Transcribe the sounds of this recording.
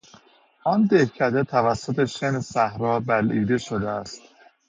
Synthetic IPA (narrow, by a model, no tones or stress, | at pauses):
ʔɒnd̪ehcʰæd̪et̪ʰævæsːot̪ʰeʃenesæhɾɒːbælʔiːd̪e̞ʃod̪eæst̪